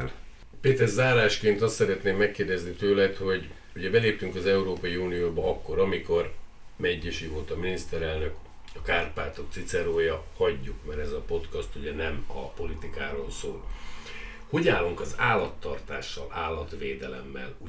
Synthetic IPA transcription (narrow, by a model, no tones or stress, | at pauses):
l | peːt̪ɛrzaːɾaːʃkeːnt̪ɒst̪sɛɾɛt̪neːmːɛkːeːrd̪ɛznit̪øːlɛt̪ho̞ɟ | uɟɛbɛleːpt̪yŋkɒzɛuɾoːpɒjiuːnijoːbɒɒkːo̞ɾɒmiko̞r | mɛɟːɛʃivolt̪ɒminist̪ɛɾɛlnø̞k | ɒkaːrpaːt̪o̞kt̪sit̪sɛɾoːjɒhɒɟːukmɛɾɛzɒpo̞t̪kɒst̪uɟɛnɛmɒ̰po̞lit̪ikaːɾoːlso̰ːl | ho̞ɟaːlːuŋkɒzaːlːɒt̪ːɒrt̪a̰ːʃːɒ̰laːlːɒt̪ʋeːd̪ɛlɛ̰mːɛ̰lu